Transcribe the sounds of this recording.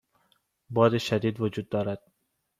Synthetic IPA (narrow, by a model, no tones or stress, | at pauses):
bɒːd̪eʃæd̪iːd̪vod͡ʒuːd̪ːɒːɾæd̪̥